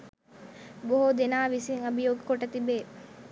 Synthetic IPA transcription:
boɦud̪enaːʋisiŋɐbijoːɡekoʈɐt̪ibeː

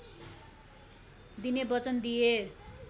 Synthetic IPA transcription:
d̪inebʌt͡sʌnd̪ije

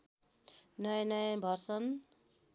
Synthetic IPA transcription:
nʌjnʌjãbʱʌrsʌn

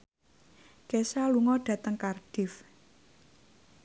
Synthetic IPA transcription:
kesaluŋɔɖ̥ä̤t̪əŋkarɖ̥ɪ̤f

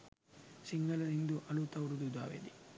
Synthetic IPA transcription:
siŋɡɐlɐd̪ind̪uʔɐlut̪ɐwuɽud̪ud̪a̰ːʋḛːd̪i

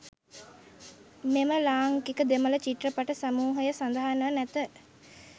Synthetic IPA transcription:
meməlaːŋkikəd̪emələt͡ʃiʈrəpaʈəsamuːɦəjəsand̪əɦanəʋənæt̪ə

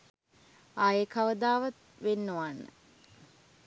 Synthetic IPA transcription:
aːjekaʋəd̪aːʋat̪ | ʋenːoʋanːə̰

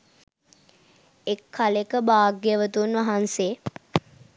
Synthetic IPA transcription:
ekʰːalekəbaːɡeəʋət̪unʋaɦanse

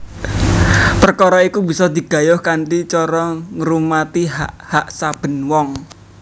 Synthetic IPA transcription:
pərkɔɾɔikubi̤sɔd̪i̤ɡ̥a̤jʊhkaɳʈit͡ʃɔɾɔŋəɾumat̪iɦaʔhaʔsab̥ə̤nwɔŋ

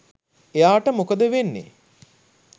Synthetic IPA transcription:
ejaːʈəmokəd̪əʋenːḛ

